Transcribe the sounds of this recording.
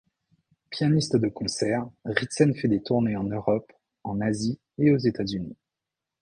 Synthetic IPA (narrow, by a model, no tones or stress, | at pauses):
pjanist̪d̪əkɔ̃sɛʁʁit̪sɛnfɛd̪et̪uʁneɑ̃nøʁɔp | ɑ̃nazi | eozet̪azyni